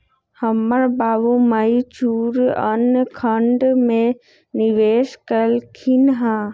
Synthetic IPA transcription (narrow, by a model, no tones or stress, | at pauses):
həməɾbaːʋõmait͡ʃuːɾə̰nkʰəɳɖmẽ | niʋeːʃkəlkʰinɦãː